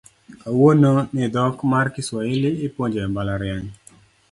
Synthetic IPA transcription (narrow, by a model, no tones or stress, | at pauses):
awononɪd̪ɔkmarkɪswaɪlɪːpwoɲd͡ʒɛmbalaɾjaɲ